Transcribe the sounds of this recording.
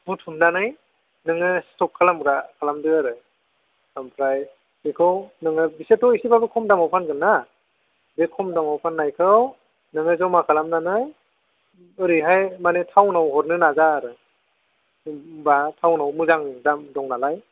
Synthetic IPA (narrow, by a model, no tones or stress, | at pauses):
butʰumnanɯj | nɯŋɯstɔp̚kʰalamɾakʰalamdɯaɾɯ | ampʰɾaj | ikʰɯwnɯŋɯbisetɔisibabɯkʰɔmdamawpʰanɡɯnːa | bekʰɔmdamawpʰanːajkʰɯw | nɯŋɯzawmakʰalamnanɯj | ɯɾiɦajmanetʰawnawhɔɾnɯnazaːɾɯ | batʰawnawmuzaŋdamdɔŋnalaj